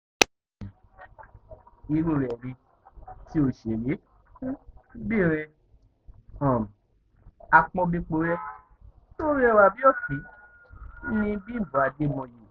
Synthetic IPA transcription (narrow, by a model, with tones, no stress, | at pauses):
i˧˦ɾu˧˨ɾɛ˨ɾĩ˧ | ti˦o˧˨ʃe˨ɾe˨˦ | bi˦˨ɾ̃ɛ̃˧ | ɔ̃˨ | a˧k͡pɔ̃˧bĩ˧k͡po˧˦ɾɛ˦ | to˦ɾi˦ɛ˦˧wa˨bi˦ɔ˦˨fi˨˦ | nĩ˧˦bĩ˦˨bɔ̃˨˦a˧de˦mɔ̃˧je˨